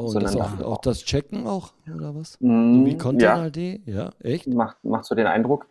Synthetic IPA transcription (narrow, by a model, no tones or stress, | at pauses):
ʔoʊnunanʊa̰ʊxd̥ast͡ʃɛkŋ̩aʊxʔoːdɐvasm̩viːkʰɔnjaːnadeːja̰ːʔɛçtmaχtmaχtz̥oːdeːnʔa̰ɪndʁʊk